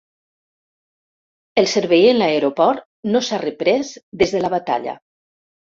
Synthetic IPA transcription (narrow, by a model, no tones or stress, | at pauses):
elˠseɾβejenlaeɾopɔɾt̪ | nosarəpɾɛzd̪ezðəlaβat̪a̰ʎa̰